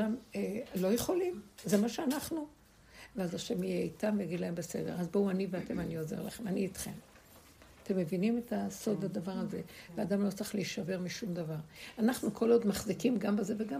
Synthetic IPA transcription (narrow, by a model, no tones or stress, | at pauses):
amelo̞jeχo̞limzemaʃeanaχnu | veazaʃe̞mijeitamvejaɡid̪laembese̞̰deʁazbouaniveate̞maniozeʁla̰χemaniːt̪χe̞̰m | ate̞mːe̞vinime̞taso̞d̪ad̪avaʁaze̞veadamlo̞t͡saχliiʃave̞ʁmiʃumd̪avaʁanaχnukʰo̞lo̞d̪maχzikimɡambeze̞veɡam